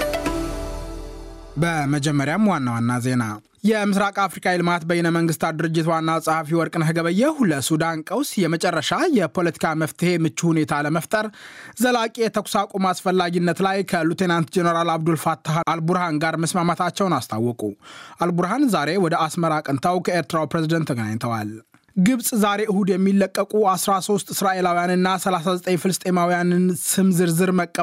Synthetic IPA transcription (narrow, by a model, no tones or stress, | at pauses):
bəməd͡ʒɛmːəɾjamwanːawanːaze̞na | jɛmɨsɾakʼafɾikʰailɨmat̪bəjɛnəməŋɡɨst̪ʰad̪ɨɾɨd͡ʒːɪt̪wanːasʼahafiwɔɾkʼɨnɦɨɡəβəjːɛhuləsud̪ankʼəwsjɛmət͡ʃʼɛrːəʃajɛpʰo̞lət̪ʰi̥kʰaməft̪ʰɨhe̞mɨt͡ʃːuhune̞t̪ʰaləməft̪ʼəɾzəlakʼijɛt̪ʰəkʷsakʼumasfəlːaɡinːət̪lajkʰəlut̪ʰenant̪d͡ʒenəɾalaβd̪ulfat̪ʰːaʔalbuɾhanɡaɾməsmamat̪ʰat͡ʃːɛwnast̪ʰa̰wːɔkʼuʔalbuɾhanzaɾe̞wɔd̪əasməɾakʼənt̪ʰawkʰəeɾt̪ʰɾawpɾezid̪ənt̪ʰːəɡəna̰ɲt̪ʰəwa̰l | ɡɨβsʼzaɾe̞ʔɨhud̪jɛmːilːəkʼːəkʼuasɾaso̞st̪ʼɪsɾaʔe̞lawijanɨnːasəlasazət̪ʼəɲfɨlɨst̪ʼe̞mawijanɨnsɨmzɨɾzɨɾməkʼːə